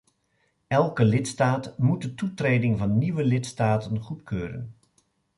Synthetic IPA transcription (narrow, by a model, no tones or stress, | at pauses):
ɛlˠkəlɪtstaːtmut̚dətutrejdɪŋvɑnːiʋəlɪtstaːtənχutkøːɾə̰n